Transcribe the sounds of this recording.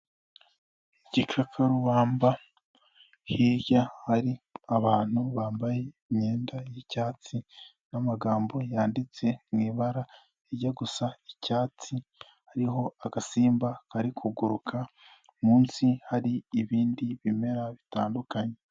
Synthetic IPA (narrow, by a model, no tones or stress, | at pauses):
iɟikʰakʰaɾuβaːmba | hiɾjahaɾiaβaːn̥huβaːmbaje̞ | mɲe̞ːndajicaːt͡si | namaɡaːmbo̞jaːndit͡se̞mŋiːβaɾa | eɾɟaɡusaicaːt͡si | haɾiɦo̞aɡasiːmbakaɾikʰuɡuɾukʰa | muːnsihaɾiːβiːndiβime̞ɾaβitaːndukaɲe̞